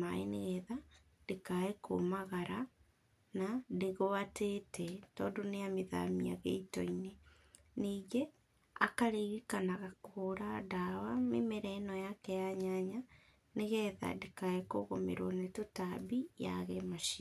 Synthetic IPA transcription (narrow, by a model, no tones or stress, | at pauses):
ma̰eneɣɛða | dekaeko̰maɣaɾa | nadeɣoatetʰɛtɔːndoneameða̰miaɣḛitɔ̰ine | niːɡe | akaɾeɣikanaɣakoɾadawamemɛɾɛnɔjakɛjaɲaɲa | neɣɛða̰dekaekoɣomḛɾwonetotabija̰ɣɛmaʃi